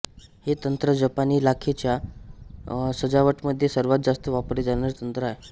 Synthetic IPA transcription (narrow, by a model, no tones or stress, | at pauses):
het̪ənt̪ɾəd͡ʑəpaniːlakʰet͡ɕja | səd͡zaʋəʈməd̪ʱːjesəɾʋat̪̚d͡zast̪əʋapɾed͡zañaɾt̪ənt̪ɾəae